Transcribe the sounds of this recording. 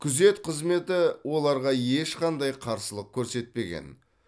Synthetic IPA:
kʲʰʏze̞t̪qʰəzme̞t̪ɪwo̞lˠɑɾʁɑje̞ʃqʰɑnd̪ɑjqʰɑɾsəlˠəq̚kʲʰɵɾse̞t̪̚pe̞ɡʲḛn

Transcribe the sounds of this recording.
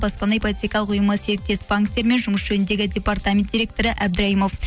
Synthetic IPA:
bɑspɑnɑjpʰolʲit̪ʲijkʲɑlˠəqʊjəməseɾɪk̚t̪ːe̞spaŋkt̪eɾme̞nʒʊməsʒ̥ɵnɪnd̪e̞ɡʲɪd̪ʲe̞part̪amʲend̥̪ʲiɾʲek̚t̪o̞ɾəʔæbd̪ɪɾɑimo̞f

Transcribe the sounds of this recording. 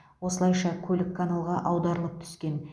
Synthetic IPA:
wo̞səlˠɑjʃɑkʲʰɵlɪkʰːanalˠʁɑʔɑwd̪ɑɾəlˠəp̚t̪ʰʏ̥skʲe̞n

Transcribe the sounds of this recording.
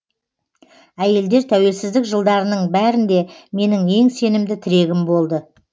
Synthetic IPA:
æje̞ld̪e̞ɾt̪ʰæwe̞lsɪzd̪ɪkʒəlˠd̪ɑɾənəɴbæɾɪnd̪e̞me̞nɪŋe̞ŋse̞nɪmd̪ɪt̪ʰɪɾe̞ɡʲɪmbo̞lˠd̪ə

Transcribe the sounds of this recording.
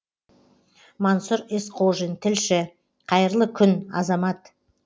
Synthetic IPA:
mɑnsʊɾesqʰoʒint̪ʰɪlʃɪ | qʰɑjəɾlˠəkʲʰʏnɑ̰zɑmɑt̪

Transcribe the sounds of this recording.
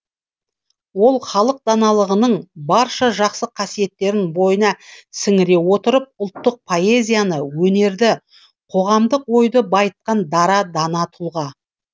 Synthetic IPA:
wo̞lˠχɑlˠəq̚d̪ɑnɑlˠəʁənəɴbɑɾʃɑʒɑqsəqʰɑsije̞t̪ːe̞ɾɪnbo̞jənɑsɪŋɪɾe̞wo̞t̪əɾəp̚ʊlˠt̪ːəq̚pʰo̞e̞zʲijanəwɵne̞ɾd̪ɪ | qʰo̞ʁɑmd̪əqwo̞jd̪əbɑjət̪̚qɑnd̪ɑɾɑd̪ɑnɑt̪ʰʊlˠʁɑ

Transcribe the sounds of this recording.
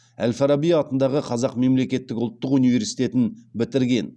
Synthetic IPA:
æ̰lfɑɾabijɑt̪ənd̪ɑʁəqʰɑzɑqme̞mle̞kʲe̞t̪ːɪkʊlˠt̪ːəqunijve̞ɾsijt̪e̞t̪ɪnbɪt̪ɪɾɡʲe̞n

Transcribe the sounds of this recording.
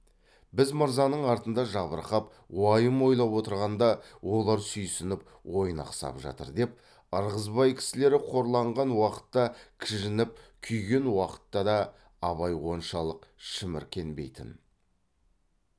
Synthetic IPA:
bɪzməɾzɑnəɴɑɾt̪ənd̪ɑʒɑβəɾqɑp | wɑjəmo̞jlˠɑpwot̪əɾʁɑnd̪ɑwo̞lˠɑɾsʏjsɪnɪp̚ | wo̞jənɑ̰qsɑ̰pʒɑ̰t̪ə̰ɾd̪e̞p̚ | ɑɾʁəzbɑjkʲʰɪ̥sɪle̞ɾɪqʰo̞ɾlˠɑɴʁɑnwɑqə̥t̪ːɑkʲʰɪʒɪnɪp̚kʲʰʏjɡʲe̞nwɑqə̥t̪ːɑd̪ɑ | ɑβɑjwo̞nʃɑlˠəqʃəmɪ̰ɾkʲʰe̞nbe̞̰jt̪ɪ̰n

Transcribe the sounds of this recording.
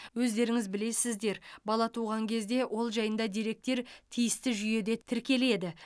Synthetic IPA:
wɵzd̪e̞ɾɪŋɪzbɪle̞sɪzd̪e̞ɾbɑlˠɑt̪ʰuʁɑŋkʲʰe̞zd̪e̞wʔo̞lˠʒɑjənd̪ɑd̪iɾe̞k̚t̪e̞ɾt̪ʰijɪst̪ɪʒʏje̞d̪e̞t̪ʰɪɾkʲe̞le̞d̪ɪ

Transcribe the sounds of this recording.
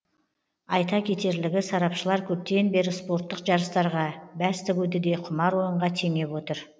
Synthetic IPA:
ɑjt̪ɑkʲʰe̞t̪e̞ɾlɪɡʲɪsɑɾɑpʃəlˠɑɾkʲʰɵp̚t̪e̞nbe̞ɾɪspo̞ɾt̪ːəqʒɑɾəst̪ɑɾʁɑbæst̪ɪɡʲud̪ɪd̪e̞qʰʊmɑɾwo̞jəɴʁɑt̪ʰe̞ŋe̞pwot̪əɾ

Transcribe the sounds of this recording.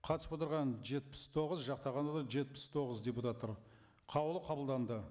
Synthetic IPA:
qʰɑt̪əsəpwot̪əɾʁɑnʒe̞t̪̚pɪ̥st̪ʰo̞ʁəzʒɑqt̪ɑʁɑnd̪ɑd̪ɑʒe̞t̪̚pɪ̥st̪ʰo̞ʁəzd̪ʲeput̪at̪ːoɾ | qʰɑwlˠəqʰɑbəlˠd̪ɑnd̪ə

